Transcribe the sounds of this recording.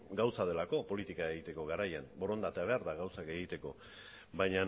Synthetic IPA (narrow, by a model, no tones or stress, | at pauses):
ɡawsaðe̞lako̞po̞lit̪ikae̞ɣit̪e̞ko̞ɣaɾajanbo̞ɾo̞nd̪at̪eaβ̞e̞aɾðaɣawsake̞ɣit̪e̞ko̞ | bajɲa